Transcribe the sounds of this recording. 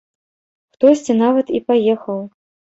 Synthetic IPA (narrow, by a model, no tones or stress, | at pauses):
xt̪ɔsʲt͡sʲinavɐt̪ipajɛxɐw